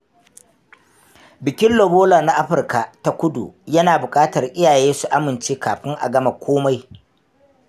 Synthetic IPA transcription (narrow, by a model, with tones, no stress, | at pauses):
bɪ˨kʲɪ˦nlo˨boː˦laː˨na˦ʔa˦ɸɪ˨rka˨ta˦kʷʊ˦dṵ˨jɐ˦naː˨bʊ˨kʼaː˦tɐ˨rʔɪ˦jaː˨jeː˦su˨ʔa˦mɪ˨nt͡ʃeː˦kaː˨ɸɪ˦ŋʔa̰˨ɡɐ˦ma˨kʷʰoː˦ma˦j